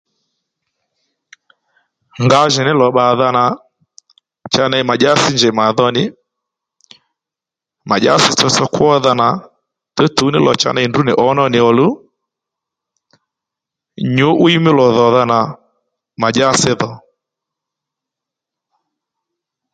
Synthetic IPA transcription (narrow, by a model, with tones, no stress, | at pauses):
ŋɡa˦ʒɛ˨nɪ˦lɔ˨ɓa˨ða˦na˨ | t͡ʃa˦na˦i˨˦ma˨ʄa˦sɪ˦nd͡ʒɛ˨ma˨ðɔ˦nɪ˨ | ma˨ʄa̰˦sɪ˨t͡sɔ˧sɔ˦kwɔ˦ða˦na˨ | tɛ˦tu˨˦nɪ˦lɔ̰˨t͡ʃa̰˦na˦i˨ndu˦nɪ˨ʔɔ˦nɔ˦nɪ˨ɔ˨lu˦ | ɲʊ˦ʔʊ˦i˦mɪ˦lɔ˨ðɔ˨ða˦na˨ | ma˨ʄa˦sɪ˦ðɔ˨